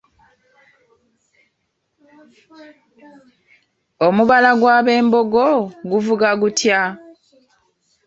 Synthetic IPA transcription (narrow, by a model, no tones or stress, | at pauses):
omuβalaɡwaːβe̞ːmbo̞ɡoɡuvuɡaɡutja